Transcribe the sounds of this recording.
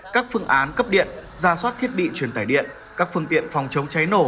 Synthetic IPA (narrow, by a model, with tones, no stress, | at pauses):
kaː˦˥k̚fɨ˧˩əŋʔaː˨˦nkə˦˥p̚ɗḭ˧˨ənzaː˧˩swaː˦˥t̚t̪ʰi˦˥ət̚ɓḭ˧˨t͡ɕwi˧˩ənt̪aː˧˩jɗḭ˧˨ən | kaː˦˥k̚fɨ˧əŋt̪ḭ˧˨ənfɔ˨˩wŋ͡mt͡ɕə˨˦wŋ͡mt͡ɕa˨˦jno˧˩